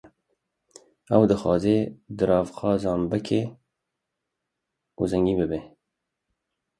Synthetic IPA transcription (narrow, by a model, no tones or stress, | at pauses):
ɛwd̪əxɑ̰ːzeːd̪ɨɾɑːvxɑːzɑːmbɨkʰe | uzɛŋɡiːbɨbe